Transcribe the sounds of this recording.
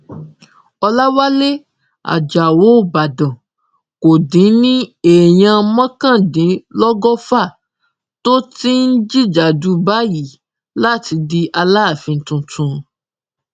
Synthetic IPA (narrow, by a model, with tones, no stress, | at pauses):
ɔ˧la˦wa˦le˦ | a̰˨d͡ʒa˨wo˨˦o˦˨ba˨dɔ̃˨ | ko˨dĩ˨˦nĩ˦e˨j̃ã˧mɔ̃˦kã˦˨dĩ˨˦lɔ˦ɡɔ˦fa˦˨ | to˦ti˦n̩˦d͡ʒi˦d͡ʒa˨du˨˦ba˦ji˨˦ | la˦˨ti˧di˧ʔa˧la˦˨fĩ˧n̩˨˦tũ˧tʰũ˧